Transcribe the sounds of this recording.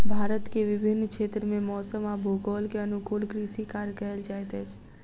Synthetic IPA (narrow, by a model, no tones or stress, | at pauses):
bʱaɾət̪keʋɪbʱɪnːkʰet̪ɾəmemɔsəmabʱoɡəlkeənukolɡɾisikaɾkəeld͡ʒajt̪ɛt͡ʃʰ